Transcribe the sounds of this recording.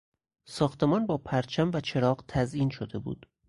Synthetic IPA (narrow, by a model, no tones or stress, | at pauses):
sɒːxt̪ʰe̞mɒːnbɒːpʰæɾt͡ʃʰæmvæt͡ʃʰe̞ɾɒːɢt̪ʰæziːnʃod̪e̞bṵːd̪̥